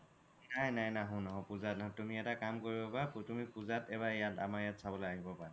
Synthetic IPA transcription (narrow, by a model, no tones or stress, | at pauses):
najnajnaɦʊ̃nɔɦɔ̃puzat̚natumiɛtakamkoɹibɔpaputumipuzatɛbaɹjata̰majatsabɔlojaɦibɔpaɹɛ